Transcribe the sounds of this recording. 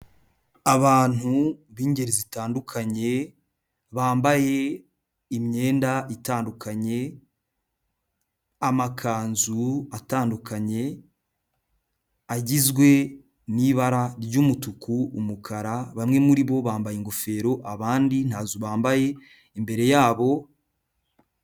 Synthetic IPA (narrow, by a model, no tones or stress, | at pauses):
aβaːn̥huβiːɲɟe̞ɾizitaːndukʰaɲe̞ | βaːmbaje̞ | imɲe̞ːndaʔitaːndukʰaɲe̞ | amakʰaːnzuataːndukaɲe̞ | aɟizɡwe̞ | niβaɾaɾɟuːmutukuumukʰaɾaβamŋe̞muɾiβo̞βaːmbajiŋɡofe̞ːɾo̞ʔaβaːndin̥haːzuβaːmbaje̞ | imbe̞ɾe̞jaːβo̞